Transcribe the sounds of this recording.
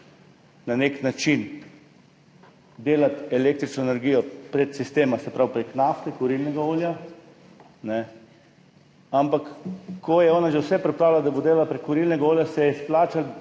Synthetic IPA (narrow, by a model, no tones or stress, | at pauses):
naneknat͡ʃin | d̪eːlat̪ɛleːk̚t̪ɾit͡ʃnɔenɛɾɡiːjɔpɾɛt̪sist̪eːmasɛpɾawpɾeknaft̪ɛkɔɾilnɛɡaoːlja | nɛ | ampakkːɔjɛɔːnaʒɛwsɛpɾɛpɾaːwlad̪abod̪eːlalapɾekːɔɾilnɛɡaoːljasɛjɛisplaːt͡ʃal